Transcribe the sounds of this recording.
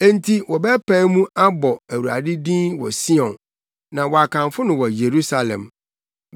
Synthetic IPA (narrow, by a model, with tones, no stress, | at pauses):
e˦n˦tʰi˦wɔ˨bɛ˦pʰã˦mũ˦ʔa˦bɔ˨æ˨wu˨ɾa̰˨dɪ˦dĩ˦nwɔ̰˨si˦ɔ̃˨n | nã˨wɔ˨a˨kʰã˨ɱfʊ˦nʊ̃˨wɔ˨je˨ɾu˦sa˨lɛ̰̃˨m